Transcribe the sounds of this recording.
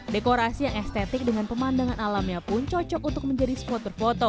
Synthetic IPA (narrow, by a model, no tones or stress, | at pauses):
dekoɾasijaŋɛst̪et̪ɪk̚dəŋanpəmandaŋanalamɲapʊnt͡ʃɔt͡ʃɔkunt̪ʊk̚məɲd͡ʒadisə̥pɔt̪̚bərfot̪o